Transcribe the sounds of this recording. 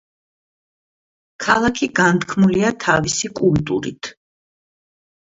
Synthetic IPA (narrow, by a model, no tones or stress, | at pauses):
kʰalˠakʰiɡant̪kʰmuliat̪ʰavisikʼult̪ʼuɾḭt̪ʰ